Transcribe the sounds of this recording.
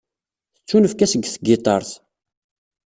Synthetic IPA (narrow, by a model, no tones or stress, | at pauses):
θət͡sːunəfkæsəɡːθɡɪt̪ˤɑ̰ɾˤθ